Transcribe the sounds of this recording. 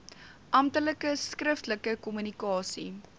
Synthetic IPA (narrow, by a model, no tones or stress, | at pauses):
ʔɐmtələkəskrəftləkəkɔmynikɑːsḭ